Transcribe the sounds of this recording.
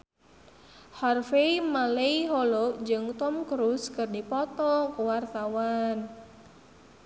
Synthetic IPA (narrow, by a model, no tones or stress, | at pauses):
hɔrfeimaleiɦɔlɔd͡ʒɨŋt̪ɔmkɾuskɨrdipɔt̪ɔkuwart̪awan